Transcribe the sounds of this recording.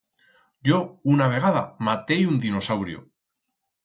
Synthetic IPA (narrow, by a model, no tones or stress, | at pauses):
ɟ͡ʝo̞unaβ̞e̞ɣaðamat̪e̞jund̪ino̞sawɾjo̰